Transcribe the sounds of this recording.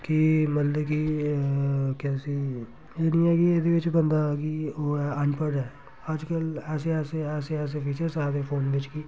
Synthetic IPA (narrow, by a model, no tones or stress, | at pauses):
kimət̪ləbki | kaːsiː | eːnĩːɛːɡied̪eːʋɪt͡ʃbənd̪aɡioːɛənpəɖɦɛː | əd͡ʒkəlɛːs̬eɛːseɛːseɛːs̬epʰiːt͡ʃəɾsaːd̪eːpʰoːnʋɪt͡ʃkiː